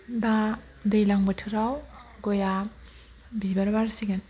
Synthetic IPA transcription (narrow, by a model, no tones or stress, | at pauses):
da | dejlaŋbɯtʰɯɾawɡɔja | bibaɾbaɾsiɡan